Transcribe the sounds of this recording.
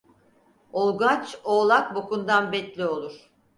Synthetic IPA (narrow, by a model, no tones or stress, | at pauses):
olˠɡat͡ʃoːlˠak̚bokund̪anbɛt̪lʲio̞lˠuɾ̥